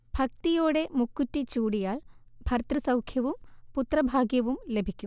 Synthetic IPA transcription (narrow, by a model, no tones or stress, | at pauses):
b̥ʱɐk̚t̪ijoːɽe̞mukːutːit͡ɕuːɽijaːɭ | bʱɐrt̪rɨsɐwkʰjɐʋumput̪rɐbʱaːɡjɐʋumle̞bʱikʲːum